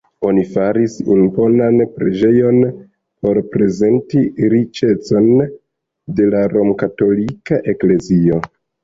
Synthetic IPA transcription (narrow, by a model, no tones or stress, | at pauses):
o̞nifaɾisunbo̞nanpɾe̞d͡ʒe̞jo̞n | po̞ɾpɾe̞ze̞ntiɾit͡ʃe̞t͡so̞n | de̞laɾo̞mkato̞likaʔe̞kle̞zio̞